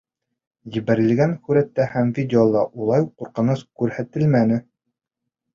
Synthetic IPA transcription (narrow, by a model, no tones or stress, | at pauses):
jɘ̆βæɾɘ̆lɡænxʉɾæt̪ːæhæmvʲidʲɪolˠɑʔulˠɑjqːuɾqɤ̆nɤskʉɾhæt̪ɘlmænɘ